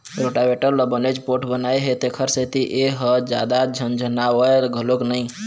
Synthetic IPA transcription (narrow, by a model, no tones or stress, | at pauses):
ɾoʈabeʈəɾləbənet͡ʃpoɾʈʰbənaeɦet̪ekʰəɾset̪iʔeɦəd͡ʒa̰d̪ad͡ʒʱənd͡ʒʱənaʋəeɾɡʱəloknəĩ